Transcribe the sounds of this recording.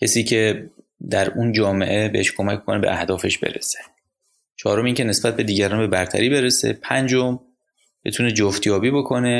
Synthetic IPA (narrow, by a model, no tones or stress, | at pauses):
cʰesiːcʰe̞ | d̪æɾund͡ʒɒːme̞̰ʔebeheʃkʰomækʰːkʰonebe̞̰ʔæhd̪ɒːfe̞ʃbe̞̰ɾḛse̥ | t͡ʃʰɒːɾo̞miːŋcʰe̞ne̞sbæt̪̚be̞d̪iːɟæɾɒːnbe̞bæɾt̪ʰæ̰ɾiːbe̞ɾesḛpʰænd͡ʒo̞m | b̥et̪ʰune̞d͡ʒoft̪ʰjɒːbiːbo̞kʰo̞ne̞